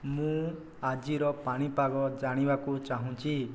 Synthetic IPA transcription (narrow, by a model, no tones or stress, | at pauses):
mũ | ad͡ʒiɾɔpaɽ̃ipaɡɔd͡ʒaɽ̃ibakut͡ʃaɦũt͡ʃi